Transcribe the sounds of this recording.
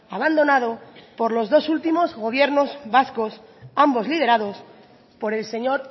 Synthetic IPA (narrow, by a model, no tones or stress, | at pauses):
aβ̞and̪o̞nað̞o̞po̞ɾlo̞zðo̞sult̪imo̞zɣo̞β̞je̞ɾno̞zβasko̞sambo̞zlið̞e̞ɾað̞o̞s | po̞ɾe̞lse̞ɲo̞ɾ